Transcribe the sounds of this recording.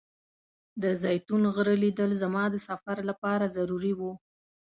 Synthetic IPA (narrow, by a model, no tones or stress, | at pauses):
d̪əzɑjt̪unɣəɾəlid̪əlzamɑd̪əsafaɾlapɑɾazaɾuɾiwu